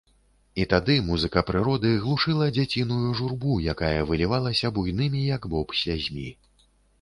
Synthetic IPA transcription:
it̪ad̪ɨmuzɨkɐpɾɨɾɔd̪ɨɣlˠuʂɨlˠɐd͡zʲat͡sʲinujuʐurbujakajɐvɨlʲivalˠɐsʲɐbujnɨmʲijɐɡbɔpsʲazʲmʲḭ

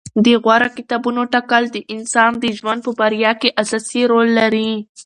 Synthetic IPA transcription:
d̪əɣwaɾakɪt̪ɑbunoʈakəld̪əʔɪnsɑnd̪əʒwand̪̚pəbaɾjɑkeʔasɑsiɾolːaɾi

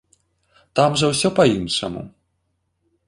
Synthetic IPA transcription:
t̪amʐɐwsʲɔpɐinʂɐ̰mṵ

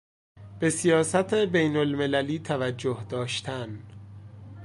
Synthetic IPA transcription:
b̥e̞sijɒːsæt̪ʰebejnolmelæliːt̪ʰævæd͡ʒːohd̪ɒːʃt̪ʰæn

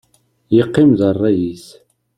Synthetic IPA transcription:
jəqːimðərˤːɑjis

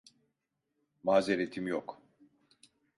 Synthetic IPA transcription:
maːzeɾet̪ʰimjok

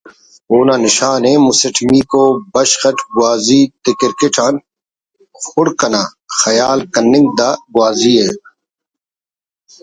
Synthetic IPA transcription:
oːnaːnɪʃaːneːmusɐʈʰŋiːkoːbɐɕxɐʈɡwaːziːt̪ikɪɾkiʈʰaːn | xʊɽkɐnaːxɐjaːlkɐnːɪ̃ŋɡ̚d̪aːɡwaːziːɦeː

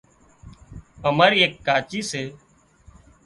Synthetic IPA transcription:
əməɾeːkːaːt͡ʃiːseː

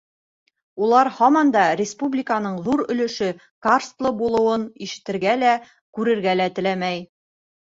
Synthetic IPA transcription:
ulˠɑɾhɑmɑnd̪ɑɾʲɪspublʲɪkanɤɴðuɾɵ̆lɵ̆ʃɵ | karst̪lˠɤbulˠɤ̆wɤniʃɘ̥̆t̪ɘ̆ɾɡælæ | kʉɾɘ̆ɾɡælæt̪ɘ̆læmæj

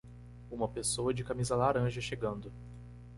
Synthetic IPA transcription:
ũmɐpesowɐd͡ʒɪkamizɐlaɾɐ̃ʒɐʃeɡɐ̃nd̪ʊ

